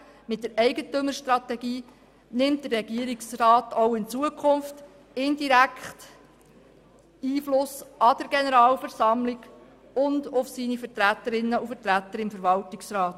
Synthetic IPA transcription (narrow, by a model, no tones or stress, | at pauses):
mɪt̚d̪əɾɛɪɡətøməɾʃtɾɑtɛɡiː | nɪmtdərɛɡ̥iəɾɪksrɑːtowɪnt͡suəkʰʊnft | ɪndiɾækχt | iːflʊsɑd̥̪əɾɡ̥enəɾɑːlfəɾsɑmlɪɡ | ʊnd̪ʊfsiːnifətɾætːəɾɪnːəufəɾtɾæt̪ːəɾɪmfəɾʋɑltɪksɾɑːt